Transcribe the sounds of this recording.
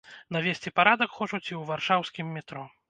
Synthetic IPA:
navʲesʲt͡sʲipaɾad̪ɐkxɔt͡ʂut͡sʲiwvarʂawsʲkʲimːʲit̪ɾɔ

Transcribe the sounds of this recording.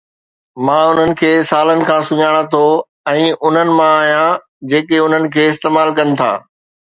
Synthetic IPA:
mãːʊn̤ənɪ̆kʰeːsaːlənɪ̆kʰãːsʊɲaːɽ̃at̪ʰo | ɛ̃ːʔʊn̤ənɪ̆mãaːɦijã | d͡ʑeːkeʊn̤ənɪ̆kʰeːɪst̪eːmaːlkɐnɪ̆t̪ʰa̰ː

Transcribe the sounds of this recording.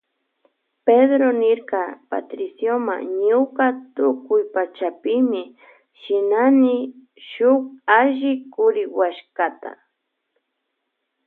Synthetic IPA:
ped̪ɾonɪɾkɑpa̰t̪ɾɪsjoma̰ŋɲʊkat̪ʊkʊjpat͡ʃapɪmɪ | ʃɪnanɪ | ʃʊk̚aʒɪkʊɾɪwaʃkat̪a̰

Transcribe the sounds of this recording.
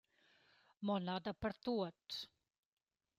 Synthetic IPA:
mɔnad̪əpəɾt̪uət̪

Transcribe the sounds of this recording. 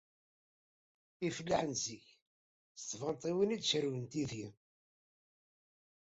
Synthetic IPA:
iflːaħənziç | θt̪ːvɑnt̪ˤiwinid̪ʃəɾwənt̪iðji

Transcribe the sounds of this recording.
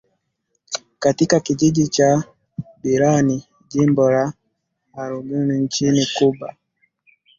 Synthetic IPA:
katikakiʄiʄit͡ʃa | ɓiɾani | ʄimbɔlaː | ɾuɡunint͡ʃinikuɓa

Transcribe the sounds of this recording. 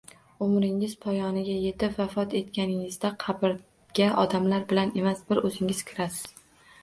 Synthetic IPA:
ʊmɾɪŋɪz̥pʰɒjɒnɪɡʲaje̞t̪ʰɪvafɒt̪ʰe̞t̪̚kʲʰanɪŋɪzd̪aqʰɑbɪɾ | ɡʲaʔɒd̪amlaɾbɪlane̞masbɪɾɵzɪŋɪz̥kʲʰɪɾasɪ̥z̥

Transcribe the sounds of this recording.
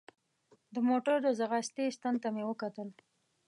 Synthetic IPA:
d̪əmoʈəɾd̪əzaɣast̪est̪ant̪amewəkat̪əl

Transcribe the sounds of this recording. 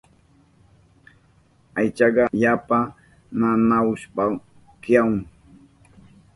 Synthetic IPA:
ajt͡ʃɑɢɑʎapa | nanaʊspa | kjaŋ

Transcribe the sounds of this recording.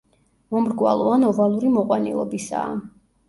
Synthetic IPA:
mɔmɾɡwa̰lˠɔanɔvalˠuɾimɔqʼwanḭlˠɔbisa̰ː

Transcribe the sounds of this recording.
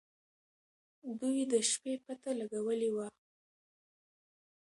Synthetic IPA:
d̪ujd̪əʃpepat̪alaɡawəliwa

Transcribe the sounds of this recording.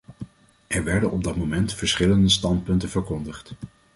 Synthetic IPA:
ʔɛɹʋɛɹdənɔb̚dɑtmomɛntfəɹsχɪləndəstɑntpɵntəv̥əɹkɔndəχt

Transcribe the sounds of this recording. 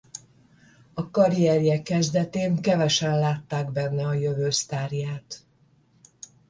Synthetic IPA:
ɒkɒɾijɛɾijɛkːɛzd̪ɛt̪eːŋkɛvɛʃɛnlaːt̪ːaːɡbɛnːɛɒjøvøːst̪aːrjaːt̪

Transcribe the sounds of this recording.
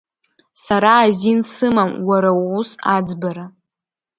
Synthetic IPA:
saɾaːzinsɨmamwaɾawusad͡zbaɾa

